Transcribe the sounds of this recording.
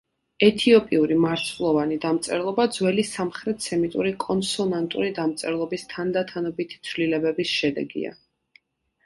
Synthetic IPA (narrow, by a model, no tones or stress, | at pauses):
ɛt̪ʰiɔpʼiuɾimaɾslˠɔvanid̪amt̪sʼɛɾlˠɔbad̪zwɛlisamχɾɛt̪ʰsɛmit̪ʼuɾikʼɔnsɔnant̪ʼṵɾid̪amt̪sʼɛɾlˠɔbist̪ʰand̪at̪ʰanɔbit̪ʰi̥t̪sʰvlilɛbɛbisʃɛd̪ɛ̰ɡḭa̰